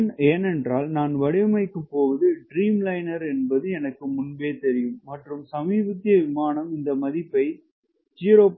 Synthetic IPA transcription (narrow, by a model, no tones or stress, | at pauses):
neːnɛndraːlnaːnʋɐɽɪmɐɪkːɯpːoːʋɐðɯɖɾiːmlɐɪnɐɾɛnbɐðɯɛnɐkːɯmʊnbeːt̪ɛɾɪjɯmːɐʈrɯmsɐmiːbɐt̪ːɪjɐʋɪmaːnɐmɪnd̪ɐmɐðɪpːɐɪ | d͡ʒiːɾoːp